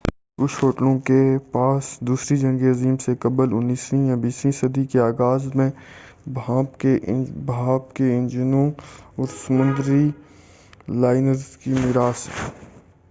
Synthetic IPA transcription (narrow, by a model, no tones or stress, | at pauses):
kʊʃɦoːʈlõkepaːsd̪uːsɾid͡ʒə̃ŋɡeɐziːmsekɐbəlʊnːiːsɾĩjãbiːsɾĩsɐd̪ikeaːɡaːzmẽ | babebʱaːbkeɪ̃nd͡ʒɪnõɔːɾsəmʊ̃nd̪ɾi | laːɪnəɾzkimɪɾaːsɦɛ̰̃ː